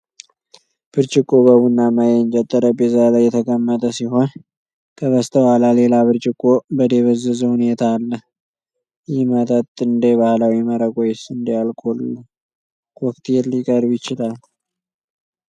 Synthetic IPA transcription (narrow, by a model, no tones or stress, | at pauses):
b̥ɨɾt͡ʃʼɪkʼːoβəwunːamajɛnt͡ʃʼɛt̪ʼːəɾəbezalajːɛt̪ʰəkʼəmːət̪ʼəsiɦo̞n | kʰəβəst̪ʰəwalale̞laβɨɾt͡ʃʼɪkʼːobəd̪e̞βəzɨzhune̞t̪ʰaːlːəh | jɪmət̪ʰʼət̪ʼːɨnd̪ebahlawiməɾəkʼojɛsɨnd̪ejalkʼolːə | wɔk̚t̪jɛlːɪkʼəɾbjɪt͡ʃːɪlal